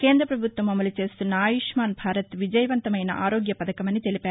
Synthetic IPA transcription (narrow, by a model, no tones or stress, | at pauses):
keːnd̪ɾɐpɾɐbʱut̪ʋɐmɐmɐlit͡ʃeːst̪unːaːjiʂmaːnbʱaːɾɐt̪ʋid͡ʒɐjɐʋɐnt̪ɐmɐjnɐ̰ʔaːɾoːɡjɐpɐd̪ɐkɐmɐnːit̪elipeː